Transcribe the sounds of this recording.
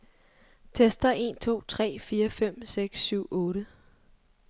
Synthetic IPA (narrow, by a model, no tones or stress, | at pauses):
t͡sʰesd̥ɐʔe̝̰nt͡sʰo̝̰ːt͡sʰʁɛ̰ːfiːɐfem̰seɡ̥sːyʊ̰ʔɔ̽ːɾə